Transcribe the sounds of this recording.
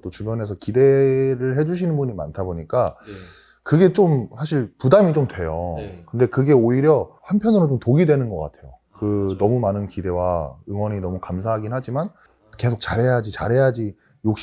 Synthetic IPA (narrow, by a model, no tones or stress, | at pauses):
t͈ot͡ɕubjʌne̞sʰʌkide̞ɾɯɭhe̞d͡ʑuɕ̬ʰinɯnbuɲima̰ntʰaboɲik͈a | kɯɡe̞t͡ɕomsʰaɕ̬ʰiɭpudamit͡ɕomtwe̞jokɯnde̞kɯɡe̞oiɾjʌɸanpʰjʌnɯɾot͡ɕomtoɡidwenɯnɡʌk͈a̰tʰe̞jo | kɯnʌmumanɯnkide̞waɯŋwʌɲinʌmukamsʰaɦaɡinɦad͡ʑiman | ke̞sʰok̚t͡ɕ͈aɾɦe̞jad͡ʑit͡ɕa̰ɾɦe̞jad͡ʑi | jok̚ɕ